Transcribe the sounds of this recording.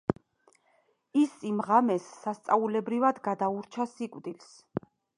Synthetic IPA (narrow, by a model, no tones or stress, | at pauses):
isimʁamɛsːast̪sʼaulɛbɾivad̪ɡad̪auɾt͡ʃʰasikʼwd̪ils